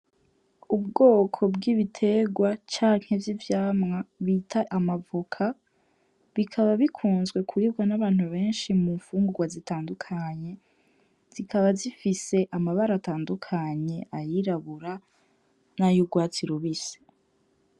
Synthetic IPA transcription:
ub̚ɡo̞ːkʰo̞bɡiːβitʰe̞ɡwat͡ʃaːŋ̥he̞vjivjaːmŋaβitʰaʔamavukʰa | βikʰaβaβikʰuːnzɡwe̞kʰuiβɡwanaβaːn̥huβe̞ːnʃimuɱfuːŋɡuɡwazitaːndukʰaɲe̞ | z̥ikʰaβazifise̞ʔamaβaɾaːtaːndukʰaɲe̞ʔajiɾaβuɾa | najuɡwaːt͡siɾuβise̥

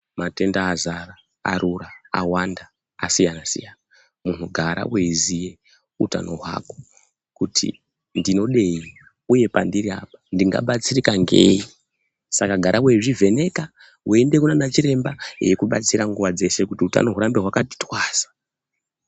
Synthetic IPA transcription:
mate̞ndaːzara | a̰ɾuraa̰wandaː | sijanasḭjana | mun̤uɡʱaɾʔa̰weizije̞ | uta̰no̞ɦwa̰ko̥ | kutʰḭ | ndino̞ɗe̞i | uje̞pandiria̰pḁndiŋɡa̰ɓat͡sirikaŋɡeːi | sakaɡʱaɾʔaweiʐive̞ne̞ka | wue̞nde̞kunanat͡ʃiɾe̞mbajekuɓat͡siɾaŋɡuʋad͡ze̞se̞kutiuta̰no̞ɦuɾambe̞ɦwakati̥twaːz̥ḁ

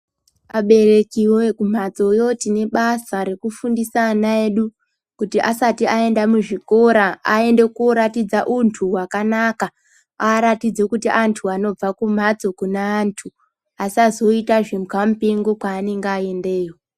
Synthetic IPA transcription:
aɓe̞re̞kiwokum̤at͡so̞jo̞tine̞ɓasaɾe̞kufundisanae̞ɗu | kutiʔasatiae̞ndamuʐiko̞ɾaae̞nde̞koɾatid͡zaʔuntʰuwakanaka | aːɾatid͡zekutiʔantʰuano̞b͡vakum̤at͡so̞kunaːntʰu | asazo̞itaʐemkamupiŋɡokwaːne̞ŋɡeaende̞ːjo

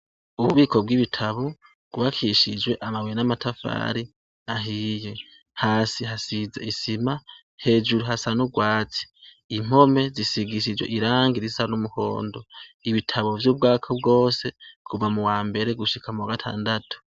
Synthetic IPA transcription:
uβuβiːkʰo̞b̚ɡiβitʰaβo̞ | ɡ̥uβakʰiʃid͡ʒwe̞ʔamawenamatʰafa̰ːɾi | aɦiːje̞ | haːsiɦasizeisima | he̞ːd͡ʒuɾuɦasanuɡwaːt͡si̥ | im̥ho̞me̞zisiɡiʃ̬id͡ʒwḛʔiɾaːŋɡiɾisanumuho̞̰ːndo̞iβitʰaβo̞vjuːb̚ɡaːkʰob̚ɡo̞ːse̞kʰuvamuwaːmbe̞ɾe̞ɡuʃikʰamuwaɡatʰa̰ːndatʰu̥

